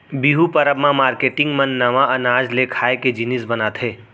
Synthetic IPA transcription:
biɦupɐɾəbmãmaːɾkeːʈɪ̃ŋɡmɐnːɐʋãʔɐnaːd͡ʒlekʰaːeked͡ʒɪnɪsbɐnaːt̪ʰɦeː

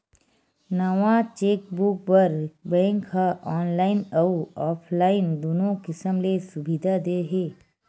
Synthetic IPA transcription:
nəʋãt͡ʃeːk̚bʊk̚bəɾbɛ̃ːŋkɦaʔɔːnlaːɪnɐuɔːpʰlaːɪnd̪oːnõkɪsəmlesʊbid̪ʱad̪eɦeː

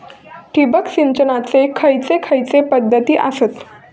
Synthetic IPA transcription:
ʈʰibəkɕint͡ɕənat͡sekʰəjt͡sekʰəjt͡sepəd̪ʱːət̪iːʔaset̪

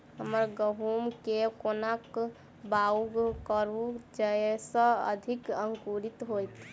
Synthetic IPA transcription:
ɦəməɾɡəɦumkekonak | bauɡkəɾud͡ʒəesə̃ə̰d̪ʱikəŋkuɾit̪ɦojt̪

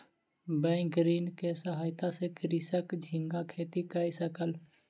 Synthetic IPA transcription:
bɛ̃ːkɾiːnkesəɦaːjt̪asekɾisəkd͡ʒʱɪ̃ŋɡakʰeːt̪ikəisəkəl

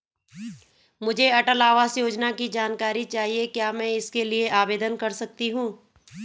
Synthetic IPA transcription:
mʊd͡ʒʱeɐʈəlaːʋasjoːd͡ʒnakid͡ʒaːnkaːɾit͡ʃaːɦiekjaːmɛ̃ɪskelieʔaːbeːd̪ənkɐɾsɐk̚t̪iɦũː

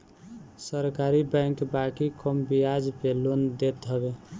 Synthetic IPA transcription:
səɾkaɾibə̃jŋkbakikʰəmbijad͡ʒpelond̪et̪ɦəbe

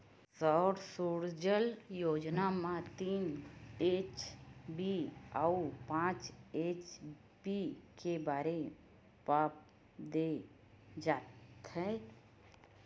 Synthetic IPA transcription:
sɔːɾsuːɾd͡ʒəljoːd͡ʒnamãt̪iːneːt͡ʃbiaupãːt͡ʃeːt͡ʃ | bikebaːɾe | paːp̚ | d̪e | d͡ʒaːt̪ɛː

